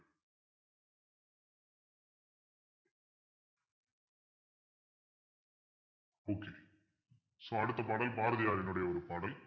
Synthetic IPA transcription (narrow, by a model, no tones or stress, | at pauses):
oːkːeː | soɐɽut̪ːɐpaːɽɐlbʱaːɾɐðijaːɾɐnuɽejɐoɾupaːɽɐl